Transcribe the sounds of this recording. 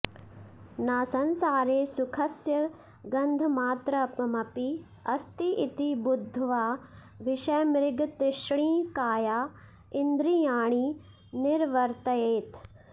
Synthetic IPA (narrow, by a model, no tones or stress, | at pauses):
naːsɐnsaːɾeːsʊkʰɐsjɐ | ɡɐ̃nd̪ʱmaːt̪ɾəːpmɐpi | ɐst̪iʔɪt̪ibʊd̪ʱːʋaː | ʋɪʃɐjmɾɪɡt̪ɪʃɽ̃iːkaːjaː | ɪnd̪ɾijaːɽ̃iː | nɪɾʋɐɾt̪ɐeːt̪